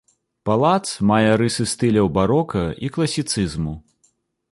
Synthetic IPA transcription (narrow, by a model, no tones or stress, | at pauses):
palˠat̪smajɛɾɨsɨst̪ɨlʲɐwbaɾɔkɐiklˠɐsʲit̪sɨzmu